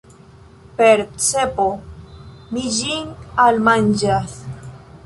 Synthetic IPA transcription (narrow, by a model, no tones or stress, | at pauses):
peɾt͡sepo | mid͡ʒinalmand͡ʒas